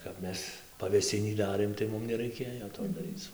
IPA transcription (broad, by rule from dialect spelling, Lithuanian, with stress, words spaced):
kɐp ˈmʲɛs pɐʋʲeːˈsʲɪnʲiː ˈdɑːrʲeːm tɐɪ ˈmʊm nʲɛˈrɐɪkʲeːjoː toː dɐˈrʲiːt͡s